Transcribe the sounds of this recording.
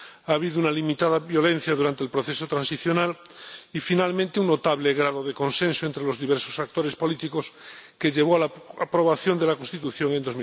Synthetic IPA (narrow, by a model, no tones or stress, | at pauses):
aːβ̞iðounalimit̪að̞aβjo̞lẽn̟θjaðuɾant̪elpɾoθesot̪ɾãnsiθjo̞nalifinalmẽnt̪euŋnot̪aβleɣ̞ɾaðoðeko̞nsẽnsoent̪ɾelo̞zðiβ̞eɾsosak̚t̪oɾespo̞lit̪ikoskeʎe̞β̞oalaapɾo̞βaθjo̞nd̪elakonst̪it̪uθjoŋend̪o̞zmi